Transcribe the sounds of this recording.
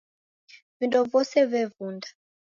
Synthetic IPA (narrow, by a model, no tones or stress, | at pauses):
vindɔvɔsɛvɛvundḁ